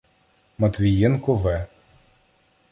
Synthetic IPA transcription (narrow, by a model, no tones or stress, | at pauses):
mɐt̪ʋʲijɛnkɔʋɛ